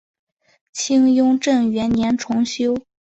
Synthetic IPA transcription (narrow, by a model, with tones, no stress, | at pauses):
t͡ɕʰi˥ŋjʊ˥ŋʈ͡ʂɤ˥˩ŋɥɛ˧˥nnjɛ˧˥nʈ͡ʂʰʊ˧˥ŋɕjo˥ʊ